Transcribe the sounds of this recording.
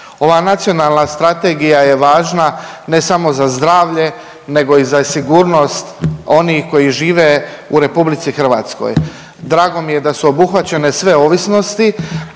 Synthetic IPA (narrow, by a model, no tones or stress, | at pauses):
o̞ʋaːnat̪sio̞nalˠnast̪ɾat̪eːɡijaje̞ʋaːʒnane̞samo̞zazd̪ɾaːʋʎe̞ | ne̞ɡo̞izasiɡuːɾno̞st̪o̞nixko̞jiʒiːʋe̞uɾe̞publit̪sixr̩ʋa̰ːt̪sko̞̰j | d̪ɾaːɡo̞mije̞d̪asuo̞buxʋat͡ɕe̞ne̞sʋe̞o̞ʋisno̞st̪i